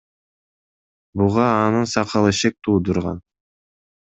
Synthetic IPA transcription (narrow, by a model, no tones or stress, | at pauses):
buʁɑːnɯnsɑqʰɑlˠɯʃek̚t̪ʰuːd̪uɾʁɑ̰n